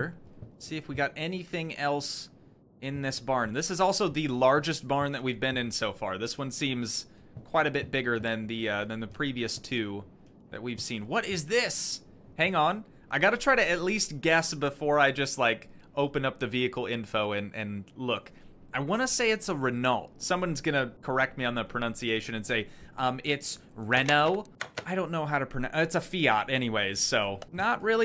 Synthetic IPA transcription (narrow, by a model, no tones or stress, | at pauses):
siɨfwiɡɑɾʔɛniθɪ̃ŋɛlˠs | ɪ̃nðɪsb̥ɑɹnðɪsɨzɔlˠsoʊðɨlɑɹd͡ʒɨst̚b̥ɑɹnðɨt̚wivbɨ̃nɨ̃nsoʊfɑ̰ɹðɪswʌ̃nsĩmz̥ | kʰw̥aɪɾɨbɪt̚b̥ɪɡə˞ðɨ̃nðiʌðɨ̃nðɨpʰɹ̥iviɨstʰʉ | ðɨ̰t̚wiv̥sĩnwʌɾɪzðɪs | hæ̃ŋə̃n | ʔaɪɡɑɾɨtʰɹ̥aɪɾɨɨtˡlist̚ɡ̥ɛsb̥əfɔɹaɪd͡ʒʌstˡlaɪk | oʊpɨ̃nʌp̚ðɨviɨkl̩ˠɪ̃ɱfoʊɨ̃nʔɨ̰̃nlʊk | ʔaɪwɑ̃ñəseɪɨtsəɹɨnʌ̰lˠtsʌ̃mwʌ̃nzɡʌnɨkʰə˞ɛk̚t̚miə̃nðət̚pʰɹ̥ɨnʌ̃nsieɪʃɨ̃nɨ̃nseɪʔʌ̃mɪts | ɹɛnoʊaɪɾõʊ̃nːoʊɦaʊɾɨpʰɹ̥ɨnʔɨtsəfiɑ̰ɾɛñiweɪz̥soʊnəʔ̚ɹɪlˠi